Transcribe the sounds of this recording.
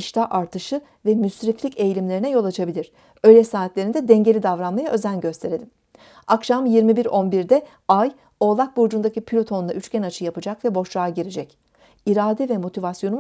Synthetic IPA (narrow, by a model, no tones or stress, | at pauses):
iʃt̪ʰaʔaɾt̪ʰɯʃɯ | vɛmysɾiflʲice̞jlʲimlʲe̞ɾinɛjo̞lˠat͡ʃʰabilʲiɾ̥ | ø̞jlʲɛsaːt̪lʲe̞ɾind̪ɛd̪ɛɲɟe̞lʲid̪avɾanmajaʔø̞zænɟø̞st̪ʰe̞ɾed̪ʲim | akʃamjiɾmibiɾo̞nbiɾd̪ɛ | aj | o̞ːlˠak̚buɾd͡ʒund̪acipʰilʲot̪ʰo̞nuna̰ʔyt͡ʃcʲɛnat͡ʃʰɯjapɯd͡ʒakvɛbo̞ʃlaːɟiɾed͡ʒɛc | iɾaːd̪ɛvɛmo̞t̪ʰivasjo̞nu